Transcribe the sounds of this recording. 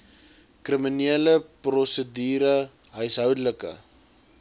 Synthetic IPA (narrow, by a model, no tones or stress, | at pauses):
kriminiələprɔsədiːɾə | ɦœɥsɦœwdələkə̰